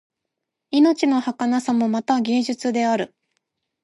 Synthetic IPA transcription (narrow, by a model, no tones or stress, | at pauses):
ino̞t͡ɕino̞hakanasamo̞mat̪aɡʲe̞ːʑɨt͡sɨd̪e̞aɾɯ̟